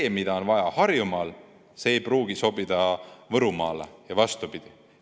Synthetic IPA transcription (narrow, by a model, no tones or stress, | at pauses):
eːmid̪ɑo̞nvɑjɑhɑrjumɑl | se̞ːjpruːɡ̥iso̞bid̪̥ɑvɤɾumɑ̰ːlejɑvɑst̪upid̪̥i